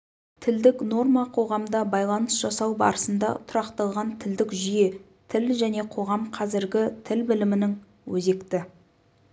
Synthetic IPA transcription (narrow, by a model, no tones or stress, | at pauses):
t̪ʰɪld̪ɪkno̞rmɑqʰo̞ʁɑmd̪ɑbɑjlˠɑnəsʒ̥ɑsɑwbɑ̰ɾəsənd̪ɑ̰t̪ʰʊɾɑqt̪ɑlˠʁɑnt̪ʰɪld̪ɪkʒʏje̞ | t̪ʰɪlʒæne̞qʰo̞ʁɑmqʰɑzɪɾɡʲɪt̪ʰɪlbɪlɪmɪnɪŋ | wɵze̞kt̪ɪ